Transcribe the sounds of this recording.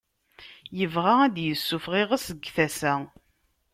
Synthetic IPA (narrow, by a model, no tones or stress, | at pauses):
jəvʁaæd̪jəsːufʁeʁəsəɡθæsæ